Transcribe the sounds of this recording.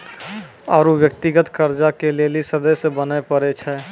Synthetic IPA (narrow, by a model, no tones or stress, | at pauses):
ɔːɾoʋjək̚t̪ɪɡət̪kəɾd͡ʒakeleːlisəd̪əjsebənepəɾet͡ʃʰɛː